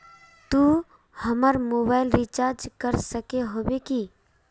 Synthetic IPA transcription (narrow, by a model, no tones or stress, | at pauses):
t̪u | həməɾmoːbaːɪlɾit͡ʃaːɾd͡ʒkəɾsəkeɦoːbeki